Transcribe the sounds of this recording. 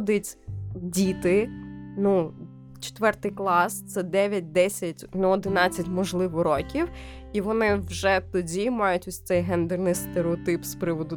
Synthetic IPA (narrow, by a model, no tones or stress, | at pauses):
d̪ɪtʲdʲit̪ɪnu | t͡ʃe̥t̪ʋɛrt̪ɪjklˠɑst̪sɛd̪ɛʋʲjɐt̚ʲd̪ɛsʲɐtʲnuɔd̪ɪnɑt͡sʲːɐtʲmɔʒlˠɪʋɔɾɔkʲiw | iʋɔnɪwʒɛt̪ɔdʲimɑjʊtʲʊsʲt̪ɛjɦɛnd̪ɛrnɪjst̪eɾeɔt̪ɪpspɾɪʋɔd̪ʊ